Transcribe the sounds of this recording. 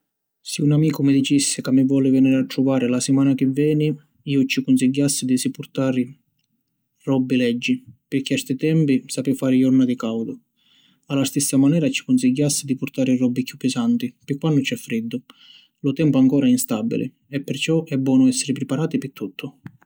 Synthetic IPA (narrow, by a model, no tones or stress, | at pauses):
sɪunamiːkʊmɪd̪it͡ʃisːɪkamːɪvɔlɪvɛniːɾat̪ːɾuvaːɾɪlasɪmaːnak̟ɪvːɛːni | iːʊt͡ʃikʊnsiɟːasːɪd̪isipʊrt̪aːɾɪ | rɔbːilɛd͡ʒːipɪɾk̟ːɪɛst̪ɪt̪ɛmpisapɪfaːɾɪjɔrnad̪ikawd̪ʊ | alːast̪isːamanɛːɾat͡ʃːi̥kʊnsiɟːasːɪd̪ipʊɾt̪aːɾɪrɔbːikjupːɪsant̪ipɪkːwanːʊt͡ʃɛfːɾid̪ːʊ | lʊt̪ɛmpʊaŋkɔːɾaɛinst̪abːḭlɪ̰ | ɛpːɪɾt͡ʃɔʔɛbːwɔːnʊɛsːɪɾɪpɾɪpaɾaːt̪ipɪt̪ʰːut̪ʰːʊ